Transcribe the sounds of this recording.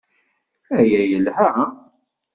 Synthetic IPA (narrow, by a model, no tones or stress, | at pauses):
æjæjəlhæ